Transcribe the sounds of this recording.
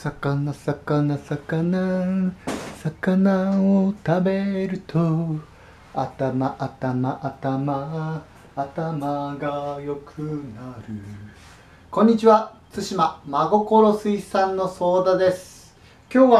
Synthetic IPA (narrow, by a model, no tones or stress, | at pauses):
sakanasakanasakana | sakanaot̪abe̞ɾɯ̟t̪ʰo | a̰t̪amaʔat̪amaʔat̪amaː | t̪amaɡajo̞kʰɯ̟naɾɯ̟ | kõ̞ɲ̟ːit͡ɕiβa | t͡sɨɕimamaɡo̞ko̞ɾo̞sɨisãnːo̞so̞ːd̪ad̪e̞sɨ̥ | kʲo̞ːβa